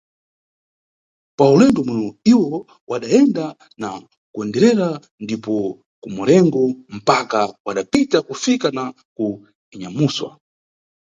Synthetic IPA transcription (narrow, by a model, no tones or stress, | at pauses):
paulɛndɔmwɛnɔiwɔ | wʔaɗaɛnda | na | kuɛndɛɾɛɾa | ndipɔ | kumɔlɛŋɡɔm̩pakawaɗapitakufikana | ku | ɲamuswa̰